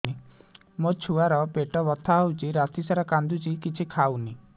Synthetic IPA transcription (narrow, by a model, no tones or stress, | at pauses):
ni | mot͡ʃʰuaɾɔpeʈɔbɔt̪ʰaɦɔwt͡ʃiɾat̪isaɾakand̪ut͡ʃikit͡ʃʰikʰawni